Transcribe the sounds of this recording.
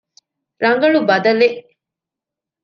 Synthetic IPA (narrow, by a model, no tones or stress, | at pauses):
ɾɐŋɡɐɭubɐd̪ɐleʔ